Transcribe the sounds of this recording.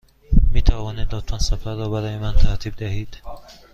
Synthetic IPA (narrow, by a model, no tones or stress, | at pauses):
miːt̪ʰævɒːnid̪ːɒːt̪ʰænsæfæɾːɒːbæɾɒːjemænt̪ʰæɾt̪ʰiːb̚d̪æɦiːd̪̥